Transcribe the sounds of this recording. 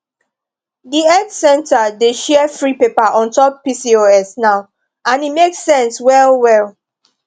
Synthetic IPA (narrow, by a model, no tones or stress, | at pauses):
diɛdsɛ̃ntʰadeʃɛəfɹipepaʔɔ̃ntɔpːisioɛsnaʊ | ãnimeksːɛ̃nswɛlwɛl